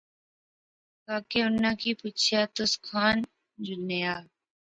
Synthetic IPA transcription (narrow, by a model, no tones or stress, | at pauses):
kaːkeːʊnãːkʰiːput͡ʃʰjaːt̪ʊskʰaːn | d͡ʒʊnejaː